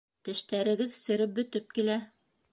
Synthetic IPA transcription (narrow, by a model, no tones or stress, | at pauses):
t̪ɘ̆ʃt̪æɾɘ̆ɡɘðsɵ̆ɾɘp̚bɵ̆t̪ɵp̚kilæ